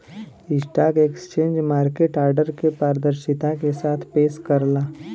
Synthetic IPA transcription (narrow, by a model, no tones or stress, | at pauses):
ɪsʈaːkeksə̥t͡ʃẽːɲd͡ʒmaːɾkeːʈaːɾɖəɾkepaːɾd̪əɾʃɪt̪akesaːt̪ʰpeːskəɾlaː